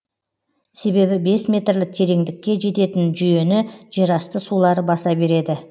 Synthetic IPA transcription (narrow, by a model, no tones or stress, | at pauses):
se̞be̞bɪbe̞smʲe̞t̪rlɪk̚t̪ʰe̞ɾe̞ŋd̪ɪkʲːe̞ʒe̞t̪e̞t̪ɪnʒʏje̞nɪʒ̥e̞ɾɑst̪əsulˠɑɾəbɑsɑbe̞ɾe̞d̪ɪ